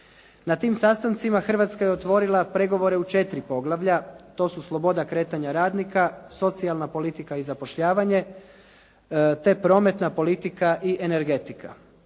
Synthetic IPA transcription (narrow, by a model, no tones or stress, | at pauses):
nat̪iːmsaːst̪ant̪simaxr̩ʋat̪skajeo̞t̪ʋo̞ːɾilˠapɾe̞ɡo̞ʋo̞ɾe̞ut͡ʃe̞t̪ɾipo̞ɡlˠaʋʎat̪o̞ːsuslˠo̞bo̞d̪akɾe̞ːt̪aɲaɾaːd̪nikaso̞t̪sialˠnapo̞lit̪ikaizapo̞ʃʎaːʋaɲe̞ | t̪e̞pɾo̞ːme̞t̪napo̞lit̪ikaʔiʔene̞ɾɡe̞t̪ika̰